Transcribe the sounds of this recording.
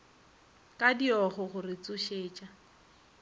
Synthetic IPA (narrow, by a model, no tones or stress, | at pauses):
kʼadiɔχʊχʊrɪt͡sʼʊʃeːt͡ʃʼa